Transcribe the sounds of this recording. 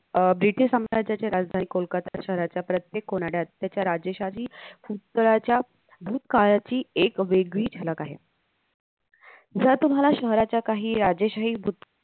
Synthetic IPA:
bɾiʈiʂsamɾad͡ʑat͡ɕjaɾad͡zd̪ʱaniːkolkat̪aɕəɦɾat͡ɕjapɾət̪jekːonaɽjat̪ːjat͡ɕjaɾad͡ʑeɕat͡ɕiːfut̪ːəɭat͡ɕja | bʱuːt̪kaɭat͡ɕiːekʋeɡʋiːd͡ʑʰʱeləkaɦe | d͡zət̪um̤alaɕəɦɾat͡ɕjakaɦiːɾad͡ʑeɕaɦiːbʱut̪̚

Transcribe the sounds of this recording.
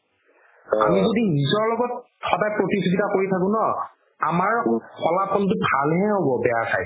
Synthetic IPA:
a̰mizodinizɔɹlɔɡɔt | xɔdajpɹotisiɡitakoɹitʰakʊ̃nɔ | amaɹxɔlapʰɔntʊbʱalɦɛɦobɔbɛjasa̰j

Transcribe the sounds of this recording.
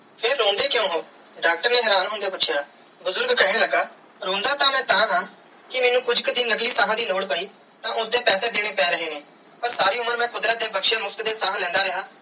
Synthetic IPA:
pʰeɾːoːnd̪eːkjõːɦoː | ɖaːk̚ʈəɾnẽːɦɛɾãːnɦʊnd̪eːpʊt͡ʃʰjaː | bʊzʊɾɡkəɦneːləɡaː | ɾõːnd̪aːt̪ãːmɛ̃ːt̪ãːɦãː | kɪmɛːnũːkʊd͡ʒkəd̪iːnləkliːsaːɦãːd̪iːloːɽpaːiː | t̪ãːʔʊsd̪eːpɛːsẽːd̪eːɽ̃eːpɛːɾəɦeːnẽː | pəɾsaːɾiːʊməɾmɛ̃ːkʰʊd̪ɾaːd̪eːbəkʃeːmʊpʰt̪d̪eːsaːlɛ̃ːnd̪aːɾəɦaː

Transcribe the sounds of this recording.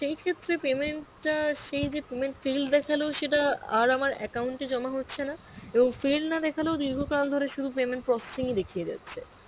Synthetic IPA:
ʃejkʰet̪ːɾepemeɳʈʈaʃejd͡ʑepemeɳʈfild̪ɛkʰaleoʃeʈaaɾamaɾɛ̰kawɳʈid͡ʑɔmaɦotːɕʰena | eboŋfilnad̪ɛkʰaleod̪iɾɡʱokald̪ʱoɾeʃud̪ʱupemeɳʈ̚pɾɔse̥siŋid̪ekʰijed͡ʑa̰tːɕʰe

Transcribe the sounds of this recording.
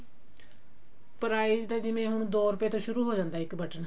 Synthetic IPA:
pəɾaːiːd͡ʒt̪ãːd͡ʒɪʋẽːɦʊɳd̪oːɾʊpeːt̪õːʃʊɾuːɦoːd͡ʒãːnd̪aːɪkbəʈən

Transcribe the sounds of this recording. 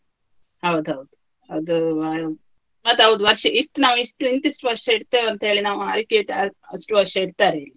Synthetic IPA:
hɐwd̪uɦɐwd̪u | ɐd̪u | mɐt̪ːɦɐwd̪uʋɐɾʃɐʔisʈunaːʋisʈuint̪isʈuʋɐɾʂɦeːɽt̪eːʋeɐnt̪ɐɦeːɭinaːʋua̰ːɾikeːʈɐɐsʈuʋɐʂeːɽt̪aːɾeli

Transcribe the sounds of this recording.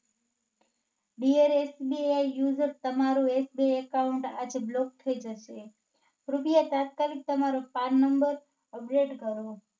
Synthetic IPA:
ɖieɾesbiajːud͡ʒəɾt̪əmaɾũesbiajəkauɳʈad͡ʒeblɔk̚t̪ʰəid͡ʒəʃe | ɾupijat̪at̪̚kalik̚t̪əmaɾopannːəmbəɾ | əp̚ɖeʈɡəɾo

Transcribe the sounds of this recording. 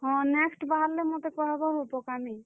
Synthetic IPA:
ɦɔ̃nɛksʈbaɦaɾlemot̪ekɔɦɛbɔɦopɔkami

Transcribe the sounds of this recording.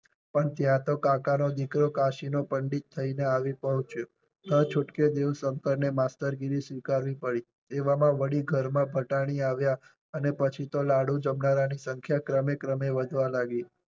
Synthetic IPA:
pəɳt̪jãt̪okakanod̪ikɾokaʃinopəɳɖit̪̚t̪ʰːəineaʋipəɦũt͡ʃo | t̪ə̃t͡ʃʰʊʈked̪eʋsəŋkəɾnemast̪əɾɡiɾisʋikaɾʋipəɽi | t̪eʋamãʋəɽiɡʱəɾmãbʱəʈaɽ̃iaʋja | ənepət͡ʃʰit̪olaɽũd͡ʒəmnaɾanisəŋkʰjakɾəmekɾəmeʋəd̪ʱʋãlaɡi

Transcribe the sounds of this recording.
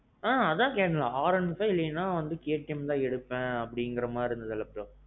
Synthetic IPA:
ãːɐðt̪ãːkeːʈɐ̃laːaːɾɐɳsɐɪlːɐjɐnːaːʋɐnd̪ɯkeːɐʈːɐmt̪ãːɛɽɯpːẽːɐpːɐɽɪŋɡɪɾɐmaːɪɾɯnd̪ɐðɐlɐpʈõ

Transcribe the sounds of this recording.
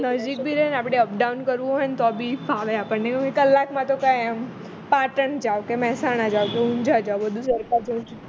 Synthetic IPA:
nəd͡ʒik̚bʱiɾɛɦnapɽ̃eəp̚ɖawnkəɾʋũɦɔjnt̪oabʱifʰaləapəɳnekoekəlːakmãt̪okãjam | paʈəɳd͡ʒaʋkemɛɦsañad͡ʒaʋwkeũɲd͡ʒad͡ʒawbəd̪ʱũsəɾkad͡ʒə

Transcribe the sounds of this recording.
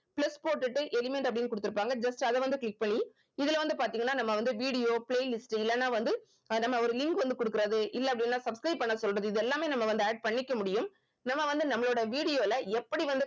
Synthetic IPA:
plɐspoːʈːɯʈːɯʔɛlɪmɛɳʈɐpːɐɽɪnːkɔɽɯt̪ːɯɾɯpːaːŋɡɐd͡ʒɐsʈɐðɛʋɐnd̪ɯkɭɪk̚ːpɐɳːi | ɪðɪlʋɐnd̪ɯpaːɾt̪iːŋɡɐnːaːnɐmːɐʋɐnd̪ɯʋiːɽɪjoːpleːlɪsʈɪlːɛnːaːʋɐnd̪ɯ | nɐmːɐɔɾɯlɪŋkʋɐnd̪ɯkɔɽɯkːɯɾɐðɯʔɪlːɛɐpɐɽɪnnːaːsɐbskɾɐɪpːɐɳːɐsɔlrɐðɯɪðɛlːaːmeːnɐmːɐʋɐnd̪ɯaːɖ̚pɐɳːɪkːɐmʊɽɪjɯm | nɐmːɐʋɐnd̪ɯnɐmːɐɭoːɽɐʋiːɽɪjoːɪlɐɛpːɐɽiʋɐnd̪ɯ

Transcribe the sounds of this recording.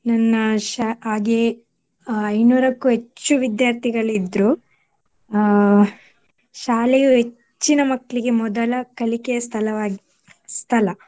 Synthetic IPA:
nɐnːɐʃaaːɡe | ɐjnuːɾɐkːuɦet͡ʃːuʋid̪jaːɾt̪ʰiɡɐɭid̪ɾu | ʃaːlejuɦe | t͡ʃːinɐmɐkːɭiɡe̞mɔd̪ɐlɐkɐlikɛjɐst̪ʰɐlɐʋaːɡi | st̪ʰɐlɐ

